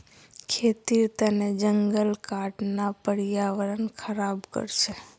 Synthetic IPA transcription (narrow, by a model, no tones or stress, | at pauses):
kʰet̪iɾt̪əned͡ʒəŋɡəlkaʈnapəɾjaʋəɾənkʰəɾabkə̰ɾʃe